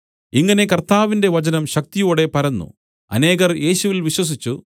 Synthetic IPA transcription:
iŋːɐne̞kɐrt̪aːʋinde̞ʋɐt͡ɕɐnɐmɕɐk̚t̪ijoːɽe̞pɐɾɐnːṵ | ɐ̰ne̞ːɣɐrjʔe̞ːɕuʋilʋiɕwɐs̬it͡ɕːu

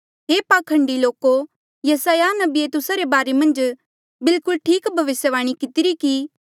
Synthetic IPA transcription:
ɦeːpaːkʰɐ̃ɳɖiloːko | jɐsaːjanɐbiet̪ʊsaɾebaːɾemɐ̃nd͡ʒ | bɪlkʊlʈʰiːkbʱɐʋɪsjəʋaːɽ̃ikɪt̪ɪɾiki

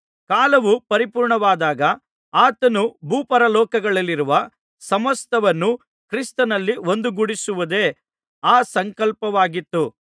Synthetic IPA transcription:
kaːlɐʋupɐɾipuːɾɳɐʋaːd̪aːɡɐ | aːt̪ɐnubuːpɐɾɐlɔːkɐɡɐɭɐlːiɾuʋɐ | sɐmɐst̪ʰɐʋɐnːu | kɾist̪ɐnɐlːiʋo̞nd̪uɡuɽisuʋɐd̪e̞ː | aːsɐŋkɐlpɐʋaːɡit̪ːu

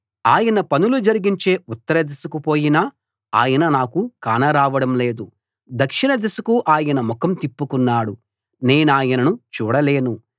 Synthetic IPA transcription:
aːjɐnɐpɐnulud͡ʒɐɾiɡiɲt͡ʃe̞ːut̪ːɐɾɐd̪isukupo̞ːjinaː | a̰ːjɐnɐnaːkukaːnɐɾaːʋɐɽɐmle̞ːd̪u | d̪ɐkʂinɐd̪isukuʔaːjɐnɐmɔkɐmt̪ipːukunːaːɽu | ne̞ːnaːjɐnɐnut͡ʃuːɽɐle̞ːnu

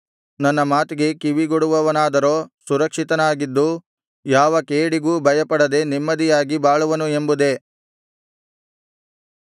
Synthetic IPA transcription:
nɐnːɐmaːt̪iɡe̞kiʋiɡoɽuʋɐʋɐnaːd̪ɐɾo̞ːsuɾɐkʂit̪ɐnaːɡid̪ːu | jaːʋɐkeːɽiɡuːbʱɐjɐpɐɽɐd̪e̞nimːɐd̪ijaːɡibaːɭuʋɐnue̞mbud̪e̞

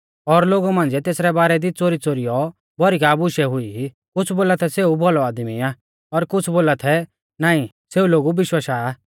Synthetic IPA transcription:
ɔɾloːɡumãːnd͡zɛt̪eːsɾɛbaːɾɛd̪it͡soːɾit͡soːɾijɔ | bʱɔɾikaːbʊʃɛɦʊi | kʊt͡sʰboːlat̪ʰɛseːubʱɔlɔaːd̪miaː | ɔɾkʊt͡sʰboːlat̪ʰɛ | naːĩ | seːuloːɡubɪʃwaʃaː

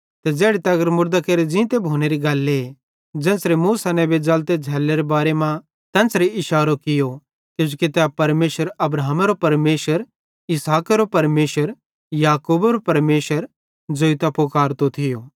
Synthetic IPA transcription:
t̪ɛd͡ʒɛːɽit̪ɛɐɡəɾmʊɾd̪akeːɾeɪ̃t̪ebʱoːñeɾiɡɐlːe | d͡ʒɛ̃ːnsɾemuːsanɛbʱed͡zɐlt̪ed͡ʒʱɛːlːeɾebaːɾemã | t̪ɛ̃ːnsɾeɪʃaːɾokɪjo | kjũd͡ʒkit̪ɛpɐɾmeːʃəɾɐbɾaːmaɾopɐɾmeːʃəɾ | ɪsaːkɐɾopɐɾmeːʃəɾ | jaːkuːbaɾopɐɾmeːʃəɾ | d͡ʒoːit̪apokaːɾt̪ot̪ʰɪjoː

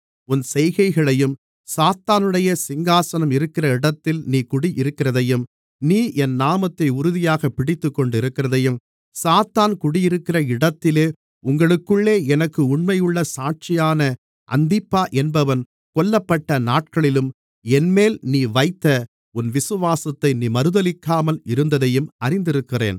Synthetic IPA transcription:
ʊnsɛjɣɐɪɣɐɭɐjɯm | saːt̪ːaːnɯɽɐjɐsɪŋɡaːsɐnɐmɪɾɯkːɪrɐɪɽɐt̪ːɪlniːkʊɽɪʔɪɾɯkːɪrɐðɐjɯm | niːʔɛnnaːmɐt̪ːɐɪʊɾʊðɪjaːɣɐpɪɽɪt̪ːɯkːɔɳɖɪɾɯkːɪrɐðɐjɯm | saːt̪ːaːnkʊɽɪjɪɾɯkːɪrɐɪɽɐt̪ːɪleː | ʊŋɡɐɭɯkːɯɭːeːɛnɐkːɯʊɳmɐjɯɭːɐsaːʈ̚t͡ʃɪjaːnɐ | ʔɐ̰nd̪ɪpːaːʔɛnbɐʋɐn | kɔɭːɐpːɐʈːɐnaːʈ̚kɐɭɪlɯm | ɛnmeːlniːʋɐɪt̪ːɐ | ʊnʋɪsɯʋaːsɐt̪ːɐɪniːmɐɾɯðɐlɪkːaːmɐlɪɾɯnd̪ɐðɐjɯmɐɾɪnd̪ɪɾɯkːɪrḛːn

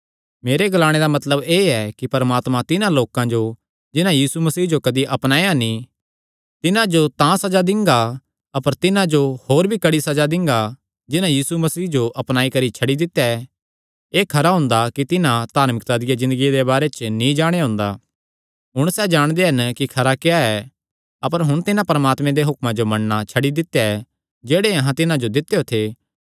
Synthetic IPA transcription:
meːɾeɡɐlaːɽ̃ed̪amɐt̪ləbeːɛkipɐɾmaːt̪mãt̪ɪnãloːkãd͡ʒo | d͡ʒɪnãjiːsumɐsiːɦd͡ʒokɐd̪iʔɐpnaːjanĩ | t̪ɪnãd͡ʒot̪ãsɐd͡ʒad̪ɪ̃ŋɡa | ɐpəɾt̪ɪnãd͡ʒohoːɾbʱikɐɽisɐd͡ʒad̪ɪ̃ŋɡa | d͡ʒɪnãjiːsumɐsiːd͡ʒoʔɐpnaːikɐɾit͡ʃʰɐɽid̪ɪt̪ːja | eːkʰɐɾaɦʊ̃ːnd̪akit̪ɪnãd̪̥ʱaːɾmɪk̚t̪aːd̪ɪjazɪ̃nd̪əɡid̪ebaːɾet͡ʃnĩd͡ʒaːɽ̃eɦʊ̃nd̪aː | ɦʊɽ̃sɛd͡ʒaːɽ̃d̪eɦɐnkikʰɐɾakeaɛ | ɐpəɾɦʊɽ̃t̪ɪnãpɐɾəmaːt̪mẽd̪eɦʊkmãd͡ʒomɐɽnat͡ʃʰɐɽid̪ɪt̪ːjaɛ | d͡ʒeːɽeɐɦãt̪ɪnãd͡ʒod̪ɪt̪ːejot̪ʰe

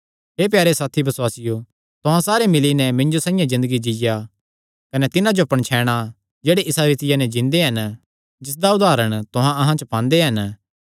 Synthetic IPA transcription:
ɦeːp̬jaːɾesaːt̪ʰibɐswaːsɪjo | t̪ʊɦãsaːɾemɪlinɛmɪ̃ɲnd͡ʒosãːɪ̃jãzɪ̃nd̪əɡid͡ʒijja | kɐnɛt̪ɪnãd͡ʒoɐpːəɽ̃t͡ʃʰɛːɽ̃a | d͡ʒeːɽeʔɪsaɾiːt̪ɪjanɛd͡ʒɪ̃nd̪eɦɐn | d͡ʒɪs̬d̪aʊd̪aːɾəɽ̃t̪ʊɦãɐɦãt͡ʃəpãːnd̪eɦɐn

